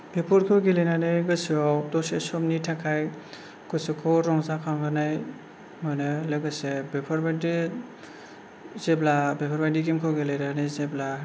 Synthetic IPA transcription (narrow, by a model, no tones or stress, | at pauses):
bepʰɔɾkʰɯɡelejnanɯjɡɯsɯawdɔsesɔmnitʰakʰaj | kʰɔsɯkʰɔɾɔŋzakʰaŋɡanaj | manɯlɯɡɯsebepʰɔɾbadi | zeblabepʰɔɾbajdiɡimkʰoɡelenanɯjzebla